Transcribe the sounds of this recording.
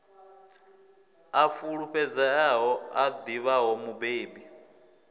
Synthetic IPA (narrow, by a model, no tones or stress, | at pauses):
afuɺuɸɛd͡zaaɦɔad̪iβaɦɔmubeːbi